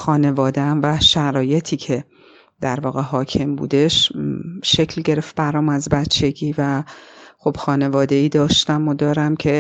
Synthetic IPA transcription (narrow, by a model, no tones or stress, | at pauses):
xɒːne̞vɒːd̪eæmvæʃæɾɒːje̞t̪ʰiːcʰe̞ | d̪̥æɾvɒːɣe̞ɦɒːcʰe̞mbṵːd̪e̞ʃʃe̞cʰlɟe̞ɾeft̪̚bæɾɒːmæzbæt͡ʃʰe̞ɟiːvæxo̞b̥xɒːne̞vɒːd̪e̞iːd̪ɒːʃt̪æmod̪ɒːɾæmcʰe̞